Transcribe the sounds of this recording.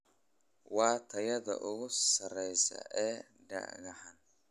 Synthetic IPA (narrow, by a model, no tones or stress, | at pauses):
wɑːt̪ʰɐjɐðɐ̰ʔʊɣʊssɐrɛjsɐ̰ɛː | ɖɐ̰ɣɐħan